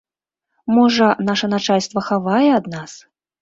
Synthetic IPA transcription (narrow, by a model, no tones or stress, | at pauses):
mɔʐɐnaʂɐnat͡ʂalʲst̪vɐxavajɛad̪nas